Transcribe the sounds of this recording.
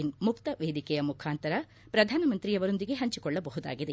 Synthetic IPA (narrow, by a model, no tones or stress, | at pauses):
inmukt̪ɐʋeːd̪ikɛjɐmukʰaːnt̪ɐɾɐ | pɾɐd̪ʱaːnɐmɐnt̪ɾijɐʋɐɾo̞nd̪iɡeɦɐɲt͡ʃikɔɭːɐbɐɦud̪a̰ːɡid̪e